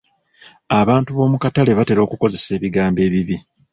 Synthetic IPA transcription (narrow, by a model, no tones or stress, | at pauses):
aβaːntuβo̞ːmukatale̞βate̞ɾo̞ːkuko̞ze̞se̞ːβiɡaːmbe̞ːβiβi